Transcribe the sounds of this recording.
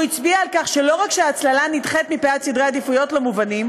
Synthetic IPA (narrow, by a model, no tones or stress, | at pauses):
it͡sbiaːlkaχʃe̞lo̞ʁakʃeaːt͡slalanitχet̪mipeat͡sid̪ʁead̪ifujo̞tlemuvanim